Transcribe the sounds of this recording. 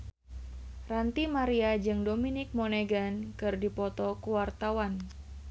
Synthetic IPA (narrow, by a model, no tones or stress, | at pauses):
rant̪imaɾiad͡ʒɨŋdominɪk̚moneɡankɨrdipɔt̪ɔkuwart̪awan